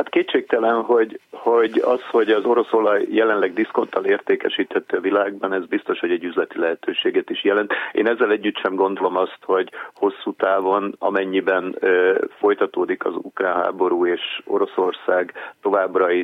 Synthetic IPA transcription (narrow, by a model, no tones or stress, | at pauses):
hat̪keːt̪t͡ʃeːk̚t̪ɛlɛnɦo̞ɟho̞ɟɒ̰sho̞ɟɒzo̞ɾo̞so̞lɒjːɛlɛnlɛɡ̚d̪isko̞nt̪ʰːɒleːrt̪eːkɛʃiːt̪hɛt̪ːøɒvilaːɡ̚bɒnɛzbist̪o̞ʃho̞ɟɛɟːyzlɛt̪ilɛɦɛt̪øːʃeːɡɛt̪iʃjɛlɛnt̪ḛːnɛzːɛlɛɟːyt̪ʃɛmɡo̞nd̪o̞lo̞mɒst̪ho̞ɟho̞sːuːt̪aːvo̞nɒ̰mɛɲːibɛnfo̞jt̪ɒt̪oːd̪ikɒ̰zṵkraːnɦa̰ːbo̞ɾuːeːʃo̞̰ɾo̞so̞rsaːɡt̪o̞vaːbrɒi